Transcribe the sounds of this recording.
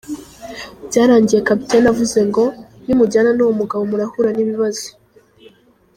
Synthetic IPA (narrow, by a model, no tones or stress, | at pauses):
bɟaːɾaːɲɟije̞kapitenavuze̞ŋɡo̞nimuɟaːnanowomuɡaβomuɾahuɾaniβiβazo̥